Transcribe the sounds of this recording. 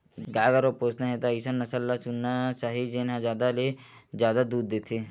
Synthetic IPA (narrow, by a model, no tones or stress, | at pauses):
ɡaːɡəɾopoːsnaɦɛt̪oəɪsənːɐsəlːasʊnːat͡ʃaːɦid͡ʒenɦãzjaːd̪alezjaːd̪ad̪uːd̪̚ːeːt̪ʰeː